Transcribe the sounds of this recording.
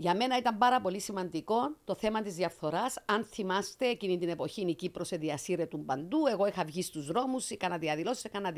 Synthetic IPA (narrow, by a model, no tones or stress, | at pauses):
ʝɐme̞nɐit̪ɐmbɐɾɐpo̞lisimɐnd̪iko̞nt̪o̞θe̞mɐt̪izðjɐfθo̞ɾɐsɐnθimɐst̪e̞ːcinit̪ine̞po̞çinicipɾoseðiɐsiɾet̪umbɐnd̪ue̞ɣo̞ixɐvʝist̪uzɾo̞musikɐnɐðiɐðilo̞si̥sekɐnɐð